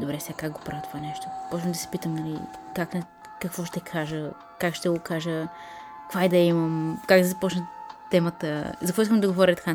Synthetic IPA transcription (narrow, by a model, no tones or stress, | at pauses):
d̪obɾɛsɛɡakak̚ɡopɾavʲət̪o̥vanɛʃt̪o̥pɔt͡ʃvɐmd̪ɐsɛ̥pit̪əmnɐlḭkakn | kəkvɔʃt̪ɛkʰaʒə | kakʃt̪ɛɡokaʒə | kvaid̪ɐiməmkak̚d̪ɐzɐpɔt͡ʃnət̪ɛmət̪ə̰zɐkvɔis̬kəmd̪ɐɡovɔɾʲət̪ka